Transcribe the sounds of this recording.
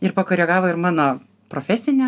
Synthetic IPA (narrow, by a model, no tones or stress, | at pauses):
ɪɾpɐkoɾʲɛɡɑːʋoɪɾmɑːno | pɾoːfʲæːsʲɪnʲɛ